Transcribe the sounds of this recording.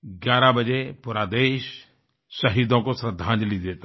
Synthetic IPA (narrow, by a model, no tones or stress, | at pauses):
ɡjaːɾabəd͡ʒepuːɾaːd̪eːʃː | ɐɦiːd̪õkosɾəd̪ʱːãːnd͡ʒlid̪eːt̪a